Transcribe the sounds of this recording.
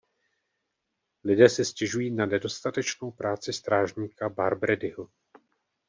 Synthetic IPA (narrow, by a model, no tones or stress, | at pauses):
lɪdɛːsɛscɛʒujiːnanɛdo̞st̪at̪ɛt͡ʃno̞wpɾaːt͡sɪst̪ɾaːʒɲiːkabaɾbɾɛdɪɦo